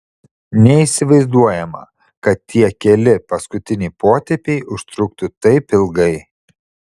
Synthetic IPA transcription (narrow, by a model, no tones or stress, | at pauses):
nʲɛiˑsʲɪʋɐɪzd̪uɔjɛmɐ̰ | kɐt̪ːʲiɛkʲɛlʲɪpɐskʊt̪ʲɪnʲɛɪpʰoːt̪ʲɛpʲɛɪʔʊʃt̪ɾʊkt̪ʊt̪ɐɪpɪlˠɡɐɪ